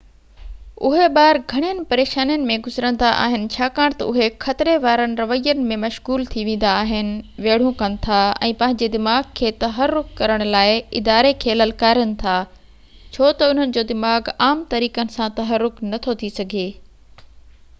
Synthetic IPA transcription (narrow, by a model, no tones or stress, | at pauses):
ʊɦebaːɾɡʱɐɽ̃ijənɪ̆pɐɾeːʃaːnjənɪ̆mẽɡʊzɾə̃nd̪aʔa̰ːɦɪnɪ̆t͡ɕʰaːkaːɽ̃t̪ɐ̰ʊɦexɐt̪ɪɾeʋaːɾənɪ̆ɾɐʋəijənɪ̆mẽmɐʃɣuːlt̪ʰiʋẽːn̆d̪aːɦɪnɪ̆ʋeːɽ̤ũkɐnɪ̆t̪ʰaɛ̰̃ːpɐ̃ɦɪ̃ɲ̆d͡ʑed̪ɪmaːɡkʰːeːt̪ɐɦəɾːʊkkɐɾəɽ̃ʊlaːɪɪ̰d̪aːɾekʰeːlɐlkaːɾijənɪ̆t̪ʰaː | t͡ɕʰoːt̪ɐʊn̤ənɪ̆d͡ʑoːd̪ɪmaːɡaːmt̪ɐɾiːkənɪ̆sãt̪ɐɦəɾːʊknɐt̪ʰot̪ʰisɐɡʱeː